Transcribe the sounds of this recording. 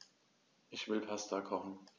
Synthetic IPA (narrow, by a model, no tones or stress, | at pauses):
ʔɪçv̥ɪlpʰastakʰɔχn̩